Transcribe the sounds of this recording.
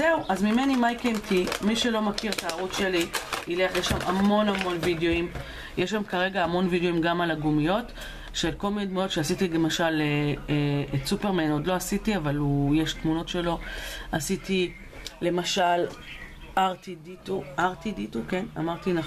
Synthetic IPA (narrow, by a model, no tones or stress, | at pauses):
zeuʔazmimenimajkemtʰimiʃelo̞makiʁt̪aːʁut͡sʃe̞liileχjeʃamʔamo̞namo̞nvidjo̞im | jeʃ̬amkaʁe̞ɡaːmo̞nvidjo̞imɡamalaɡumijo̞t | ʃe̞lko̞lmined̪mujo̞tʃeasitile̞maʃale | etsupeʁmeno̞dlo̞asitiavalujeʃtmuno̞tʃe̞lo̞asiti | le̞maʃal | aʁt̪idituaʁt̪idituke̞na̰maʁt̪ina